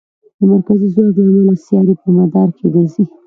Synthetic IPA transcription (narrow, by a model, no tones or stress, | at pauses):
d̪əmaɾkazizwɑklmelasjɑɾipəmad̪ɑɾkʰeɾazi